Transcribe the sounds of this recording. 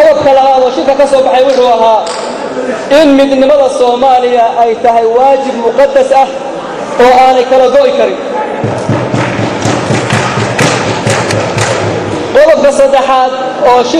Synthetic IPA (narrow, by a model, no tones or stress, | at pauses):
ɔðɔb̚kʰɐlɐhaːðɔːʃɪlkʰɐkʰɐsɔːbɑħɛjwʊħuːɐɦaː | ɪnmɪd̪nɪmɐðɐsɔːmaːlɪjɐʔɛjt̪ʰɐɦɛjwaːt͡ʃɪbmʊqɑd̪ːɐsɐh | ɔːaːnɛjkʰɐlɐd̪ɔʔɪkʰɐɾɪn | qɔðɔb̚kʰɐsɐd̪ɛħaːd̪ | ɔːʃɪ